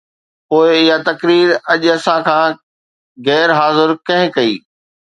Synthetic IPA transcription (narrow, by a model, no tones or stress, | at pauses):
poːɪɪjat̪ɐkɾiːɾɐʄɐsãkʰãː | ɣɛːɾɦaːzɪɾkɐ̃ɦɪ̃kɐḭː